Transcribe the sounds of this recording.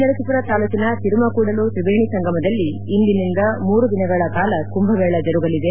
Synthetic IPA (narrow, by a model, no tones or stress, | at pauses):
ɐɾɐt͡ʃit̪uɾɐt̪aːlukinɐt̪iɾumɐkuːɽɐlut̪ɾibeːɳisɐŋɡɐmɐd̪ɐlːiːnd̪inind̪ɐmuːɾud̪inɐɡɐɭɐkaːlɐkumbʱɐʋɛːɭɐd͡ʒɐɾuɡɐlid̪e